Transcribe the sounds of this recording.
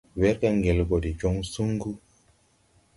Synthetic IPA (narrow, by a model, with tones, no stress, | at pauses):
we˦ɾka˦ŋɡe˨lɡo˨di˨d͡ʒo˦ŋsu˦ŋɡu˦